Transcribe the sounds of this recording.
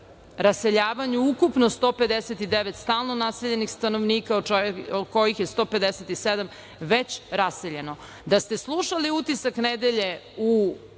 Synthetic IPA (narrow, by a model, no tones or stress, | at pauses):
ɾase̞ʎaːʋaɲuukupnost̪o̞ːped̪eset̪id̪eʋet̪st̪aːlˠnonaseʎe̞nixst̪anoʋniːkaod̪ko̞jixjest̪o̞ːpe̞d̪eset̪ised̪am | ʋet͡ɕɾaseʎe̞no̞ | d̪ast̪eslˠuʃaliut̪isakned̪eʎe̞u